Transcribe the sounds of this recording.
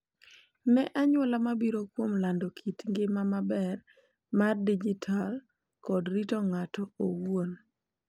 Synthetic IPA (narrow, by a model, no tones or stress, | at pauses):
nɛʔaɲwɔlamabiɾokwomlandokʰitŋɡɪmamabɛr | mardid͡ʒitʰal | kɔdɾitɔŋatɔoɡwon